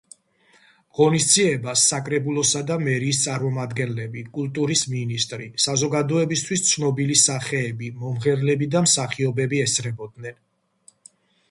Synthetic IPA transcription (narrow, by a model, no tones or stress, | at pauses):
ʁɔnisd̪ziɛbasːakʼɾɛbulˠɔsad̪amɛɾiːst̪sʼaɾmɔmad̪ɡɛnlɛbikʼult̪ʼuɾisminist̪ʼɾisazɔɡad̪ɔɛbist̪ʰwist̪sʰnɔbilisaχɛːbimɔmʁɛɾlɛbid̪amsaχiɔbɛbiɛsʰɾɛbɔd̪̚nɛn